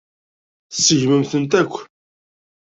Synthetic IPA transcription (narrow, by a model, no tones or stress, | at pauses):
θsːəʝməmθənt̪ækʷː